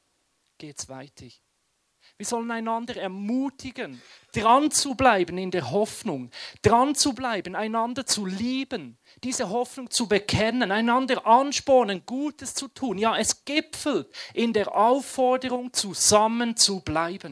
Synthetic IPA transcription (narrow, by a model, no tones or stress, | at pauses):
ɡ̥eːtsv̥aɪtʰə | viːɐzɔlənaɪnɑndəʁɛɐmuːtʰɪɡənd̥ʁɑnt͡sublaɪbənɪndeːɐɦɔfnʊŋd̥ʁɑnt͡sublaɪbn̩aɪnɑndət͡suliːbən | d̥iːzəɦɔfnʊŋt͡subəkʰɛnənaɪnɑndəʔɑnʃpɔnənɡ̥uːtəst͡sutʰuːnjaːʔɛsɡ̥ɪpfl̩tʔɪndeːɐʔaʊfːɔɐdəʁʊŋt͡suz̥amənt͡sublaɪbən̩